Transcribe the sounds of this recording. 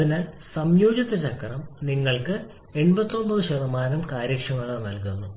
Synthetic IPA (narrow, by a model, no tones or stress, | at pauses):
inesɐmjoːd͡ʑɐt̪ːɐt͡ɕɐkʰːɐrɐmniŋːɐɭkɨ | e̞ɳbɐt̪ːo̞mbɐðɨɕɐðɐmaːnɐmkaːɾikʂɐmɐɭɐnɐlkunːu